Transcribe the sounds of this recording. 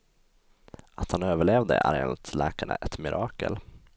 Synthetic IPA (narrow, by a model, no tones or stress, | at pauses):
at̪hanøːvəɭeːvd̪əʔæ̰ɾḛːnt̪slɛːkaɳə̰ʔɛt̪mɪɾʔɑːkə̰l